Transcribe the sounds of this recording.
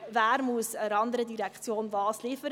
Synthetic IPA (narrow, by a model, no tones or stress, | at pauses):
væːɾmuəsəɾɑnd̪əɾədiɾɛkχt͡sjoːnvɑːsliːfəɾ